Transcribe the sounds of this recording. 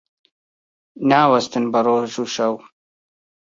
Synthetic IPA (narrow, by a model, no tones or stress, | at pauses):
naːwɐst̪ɨnbɐroːʒuːʃɐw